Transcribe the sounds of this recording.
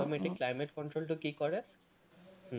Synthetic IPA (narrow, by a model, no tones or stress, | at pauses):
omeʈikːlajmeʈkɔɳʈɾolʈukikɔɾe